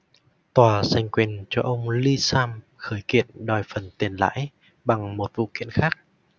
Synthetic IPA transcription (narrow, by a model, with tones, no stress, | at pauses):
t̪waː˨˩sa˧˩jŋ̟kwi˨˩ənt͡ɕɔ˧ʔə˧wŋ͡mli˧saː˧m | xəː˧˩˦jkḭ˧˨ənɗɔ˨˩jfə˨˩nt̪i˨˩ənla̰ː˧˥j | ɓa˨˩ŋmo˨˩t̚vṵ˧˨kḭ˧˨ənxaː˦˥k̚